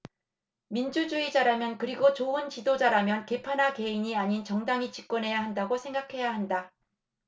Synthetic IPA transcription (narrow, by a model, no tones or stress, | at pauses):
mind͡ʑud͡ʑuid͡ʑaɾamjʌnkɯɾiɡot͡ɕoɯnt͡ɕidod͡ʑaɾamjʌnke̞pʰanɦake̞iɲiaɲint͡ɕʌŋdaŋit͡ɕi̥k͈̚wʌnɦe̞jaɦandaɡosʰe̞ŋɡakʰe̞jaɦanda